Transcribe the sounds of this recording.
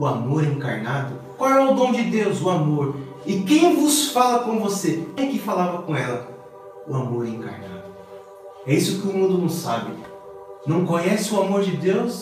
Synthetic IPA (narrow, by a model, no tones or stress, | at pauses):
ʊamoɾɛẽka̰ɾnad̪ʊkwawɛʊd̪õd͡ʒɪd̪ewzʊamoɾ | ɪkẽj̃vʊsfalɐkõvoseɛkɪfalavɐkõɛlɐ | ʊamoɾɛẽka̰ɾna̰d̪ʊ | ɛisʊkɪʊmũnd̪ʊnɐ̃w̃sa̰bɪ | nɐ̃w̃kõɲɛsɪʊamoɾd͡ʒɪd̪ews